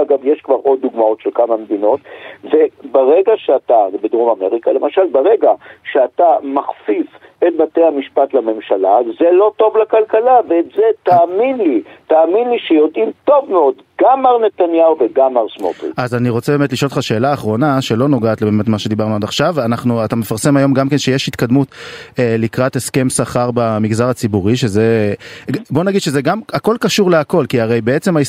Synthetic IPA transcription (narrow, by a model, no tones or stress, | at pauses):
aɡavjeʃkvaʁo̞d̪̚ːuɡmao̞tʃelkamamed̪ino̞t̪vebeʁeɡaʃeatabedʁomameʁikalemaʃalbaʁeɡaʃeatamaχfif | et̚batejhamiʃpatlame̞mʃalazelo̞to̞vlakalkalaveːtzet̪aːminlitaːminliʃejo̞dimto̞vmeo̞d̪ | ɡamaʁne̞t̪anjauveɡamaʁsmo̰to̰azaniʁo̞t͡sebeːmet̬liʃoltχaʃe̞ːlaːχʁo̞naʃe̞lo̞no̞ɡaːtlebeme̞tmaʃe̞d̪ibaʁnuad̪aχʃavanaχnuat̪ame̞faʁse̞majo̞mɡamke̞nʃe̞jeʃhit̪kad̪mut̪elikʁate̞ske̞msaχaʁbamiɡzaʁat͡sibuʁiʃe̞ze | bo̞naɡid̪̥ʃezeɡamako̞lkaʃuʁleako̞lkiaʁejbe̞et͡se̞mai